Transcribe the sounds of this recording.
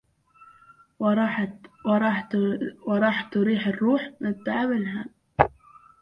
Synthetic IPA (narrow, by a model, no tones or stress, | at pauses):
ɾˤɑːħwɪɾˤɑːħt̪ʊɾiːħɪrːuːħmɪt̪ːaʕabɪlɦa